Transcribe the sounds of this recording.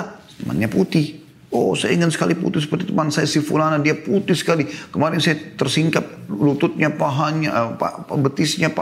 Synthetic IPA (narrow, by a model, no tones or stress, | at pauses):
t̪əma̰nɲaput̪ɪh | o̰sajaiŋɪnsə̥ka̰lipṵt̪ɪhsəpərt̪it̪əmansaja̰sifulanadiaput̪ɪhsə̥kalikəmaɾɪnsajat̪ərsiŋkap̚lut̪ʊt̪̚ɲapaɦanapa̰əbət̪isɲapa